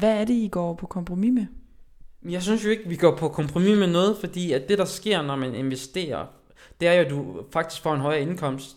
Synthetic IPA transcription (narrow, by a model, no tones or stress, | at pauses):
ʋæːɐɾe̝iɡ̥ɒ̰ːpʰɒ̽kʰɒ̽mpʰʁomime | jɑ̈ɪsynsjo̝e̝ɡ̥əʋiɡ̥ɒ̰ːpʰɒ̽kʰɒ̽mpʰʁo̝mimenɔ̽ːð̞̩ˠfɒ̽d̥ḭːæ̥d̥e̝ɾ̥ɑ̈sɡ̥e̝ɐ̰nɒmæne̝nʋesd̥e̝̰ːɐ | d̥e̝æɐjod̥ufɑ̈ɡ̥d̥isɡ̥fɒ̰enɦɒ̽ɪɐe̝nkʰɒ̽m̰sd̥